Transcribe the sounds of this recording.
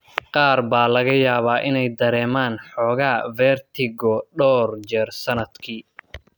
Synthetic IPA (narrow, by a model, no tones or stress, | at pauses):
qɑːrbaːlɐɣɐjaːβaːʔɪnɛjd̪ɐɾɛːmaːnħɔːɣaːvɛrt̪ʰɪɡɔɖɔːrd͡ʒɛrsɐnɐd̪kʰiː